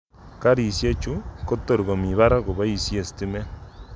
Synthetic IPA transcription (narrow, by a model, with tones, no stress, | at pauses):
ka˦ɾi˨sje˦t͡ʃu˦ko˦to˦ɾi˨ɣo˨mi˨βa˦ɾa˦ɣo˨βa˦i˦˨sje˨si̥ti˦me˦